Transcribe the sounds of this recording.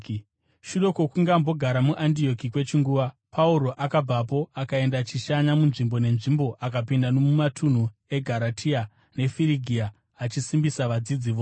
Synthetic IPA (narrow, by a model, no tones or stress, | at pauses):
ʃuɗo̞ko̞kuŋɡambo̞ɡʱaɾamuʔandio̞kikwe̞t͡ʃiŋɡuːʋa | pʰauɾo̞ʔakab͡vapo̞akae̞ndat͡ʃiʃaɲamunʐimbo̞ne̞nʐimbo̞ʔakapindanomumatʰun̤ue̞ɡʱaɾatʰia | ne̞fiɾiɡʱiaː | t͡ʃisimbisaʋad͡zid͡ziʋoː